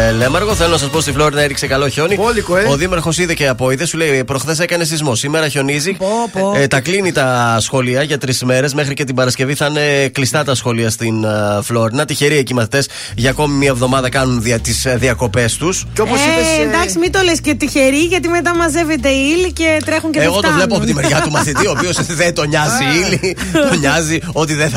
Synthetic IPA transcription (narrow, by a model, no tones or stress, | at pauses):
lemɐɾɣo̞θelo̞nɐsɐspo̞st̪iflo̞ɾinɐeɾikse̞kɐlo̞ço̞niolikooðimɐɾxo̞siðeceɐpo̞iðe̞suleipɾo̞xθe̞se̞kɐne̞sizmo̞sime̞ɾɐço̞niziopt̪ɐklinit̪ɐsxo̞liɐʝɐt̪ɾisme̞ɾe̞zmexɾice̞t̪̬ibɐɾɐsce̞viθɐne̞klist̪ɐt̪ɐsxo̞liɐst̪inflo̞ɾinɐt̪içe̞ɾiecimɐθi̥t̪e̞s | ʝɐːko̞mimiɐevðo̞mɐðɐkɐnunðiɐt̪isðiɐko̞pe̞st̪useopoiend̪ɐksimit̪o̞lescet̪içeɾiʝɐt̪̬ime̞t̪̬ɐmɐze̞vet̪̬eilicet̪ɾe̞xunceeɣo̞t̪ovlepoɐpot̪imeɾʝɐumɐθit̪iopio̞sðet̪o̞ɲɐziilit̪oɲɐzio̞t̪̬iðe